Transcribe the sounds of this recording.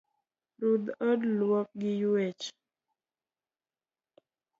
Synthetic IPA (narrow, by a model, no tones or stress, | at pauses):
ɾud̪ədlwɔk̚ɡɪjuɛt͡ʃ